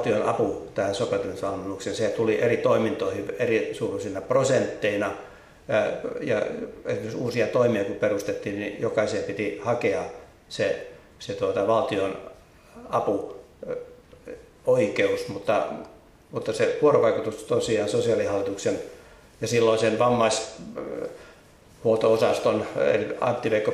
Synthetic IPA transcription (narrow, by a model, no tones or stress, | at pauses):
t̪ionɑ̰put̪æhæsopet̪unsɑnunːuksenset̪uliʔerit̪oimint̪oihierisuːrusinɑprosent̪ːeinɑ | jɑ̰ḛsimeksuːsiɑt̪oimiɑkuperust̪et̪ːiːnnijokɑisiepit̪ihɑkeɑ | se | set̪uot̪ɑʋɑlt̪ion | ɑpu | oikeusmut̪ːɑ | mut̪ːɑseʋuoroʋɑikut̪ust̪osiɑːnsosiɑlihɑlːit̪uksen | jɑsilːoisenʋɑmːɑis | huot̪oosɑst̪onḛliɑ̰nt̪ːiʋeikːo